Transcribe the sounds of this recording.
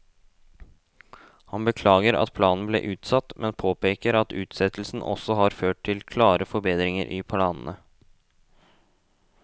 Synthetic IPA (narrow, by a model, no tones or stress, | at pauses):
hɑnbəkʰlɑːɡəɾɑ̰t̪̚pʰlɑːnn̩blḛːʔʉːt̪sɑt̪mʔɛnpʰoːpʰeːkəɾɑt̪ʉːt̪sɛt̪l̩sn̩ʔɔ̰sɔhɑɾføːʈ̚t̪ʰɪlkʰlɑːɾəfɔɾbeːd̪ɾɪŋə̰ɾʔḭpʰlɑːnnə